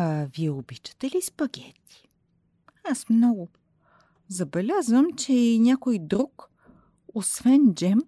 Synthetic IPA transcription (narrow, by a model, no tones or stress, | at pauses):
viɛobit͡ʃə̥t̪ɛlispɐkʲɛt̪ːi̥ | asmnɔɡʊ | zɐbɛlʲazvəmt͡ʃɛinʲakojd̪ɾuk | osvɛnd͡ʒɛm